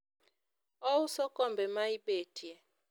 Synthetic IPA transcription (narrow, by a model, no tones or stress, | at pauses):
ɔusɔkɔmbɛmaiɓetiɛ